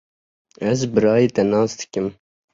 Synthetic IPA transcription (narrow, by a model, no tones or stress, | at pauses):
ɛzbɨɾɑːjiːt̪ɛnɑːsd̪ɨ̥kɨm